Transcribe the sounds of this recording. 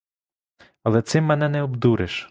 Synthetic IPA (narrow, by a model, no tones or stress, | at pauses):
ɐlˠɛt̪sɪmːɛnɛnɛɔbd̪uɾɪʃ